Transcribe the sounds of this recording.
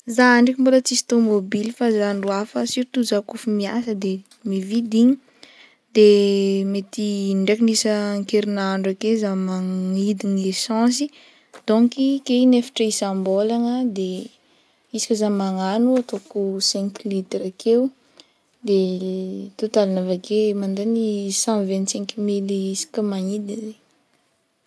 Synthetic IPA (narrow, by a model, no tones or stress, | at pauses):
zaɳɖ͡ʐik̬ʲimbolət͡sisi̥t̪omobilifazanruafəsiɾit̪uzakufimia̰səd̪e | mivid̪iɲi | d̪̥emet̪iɳɖ͡ʐekinisəŋkeɾinaɳɖ͡ʐakezamaŋid̪iŋesɑ̃s̬i | d̪̥ɔ̃ŋkikeinefḁʈ͡ʂəisãmbolaŋəd̪e | isi̥kʲəzamaŋanuat̪okusɛ̃ŋklit̪ɾakʰew | d̪e | t̪ot̪alanavakemãnd̪enisɑ̃vɛ̃nt̪sɛ̃ŋkmilisi̥kʲəmaŋid̪ize